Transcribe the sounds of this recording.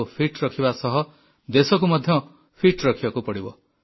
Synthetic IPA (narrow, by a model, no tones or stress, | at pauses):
pʰiʈɾɔkʰibasɔɦɔ | d̪esɔkumɔd̪ʱjɔ | pʰiʈɾɔkʰibakupɔɽibɔ̰